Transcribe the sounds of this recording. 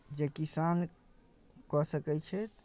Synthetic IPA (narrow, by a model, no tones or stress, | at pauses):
d͡ʒekisan | kɔsəkɛt͡ʃʰɛt̪